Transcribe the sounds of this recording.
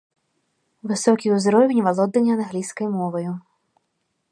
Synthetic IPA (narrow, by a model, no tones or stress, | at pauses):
ʋɪsɔkʲiʊzɾɔʋʲinʲʋɐlˠɔd̪nːenʲːɐnɐɦlʲisʲkɔjmɔʋɔjʊ